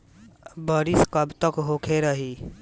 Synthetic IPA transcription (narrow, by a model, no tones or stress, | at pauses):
bəɾiskəbt̪əkɦoːkʰeɾəɦiː